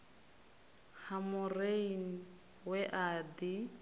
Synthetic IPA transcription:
hamʊreiŋ̩ | wɛʔadi

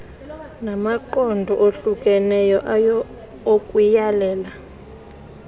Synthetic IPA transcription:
namaǃɔndʱɔʔoɬukʼɛnɛjɔʔj | okʼujalɛːla

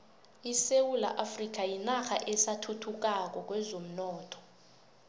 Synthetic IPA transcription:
isewula̰ʔafrik̬ʼajinaxaʔɛsatʰutʰuk̬ak̬ɔk̬wɛzom̩nɔːtʰɔ̥

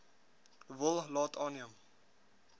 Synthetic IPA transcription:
əvəlˠlɑːtʰɑːniəm

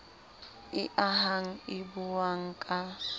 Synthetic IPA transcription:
ɪʔaɦaŋ̩ɪbuwaŋ̩kʼa

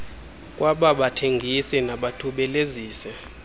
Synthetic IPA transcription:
kʼwaɓaɓatʰeŋɡʱisɛnaɓatʰuɓɛleziːsɛ

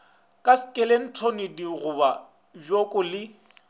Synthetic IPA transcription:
kʼaskʼɛlen̩tʰonɪdiɣʊba | bjokʼʊlɪ

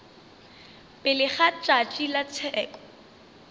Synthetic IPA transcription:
pʼɪlɪχat͡ʃʼat͡ʃʼilat͡sʰɛːkʼɔ̥

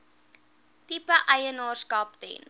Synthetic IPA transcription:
tipəʔɐjənɑːskɑpdɛ̰n

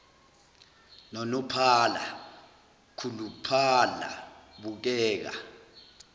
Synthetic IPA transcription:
nɔnɔpʰala | kʰulupʰala̰ɓuk̬ɛːk̬a̰

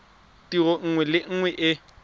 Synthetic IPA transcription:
tiɣɔŋ̩ŋwɛlɪŋ̩ŋwɛʔɪ

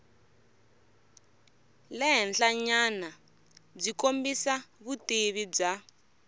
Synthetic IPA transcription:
lɛɦɛnɬaɲana | b͡ʐikombisaβuteβid͡za

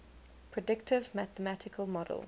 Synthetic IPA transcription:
pʰɹ̥ədɪktʰɪvmæθəmætʰɪkʰəlˠmɔdə̰lˠ

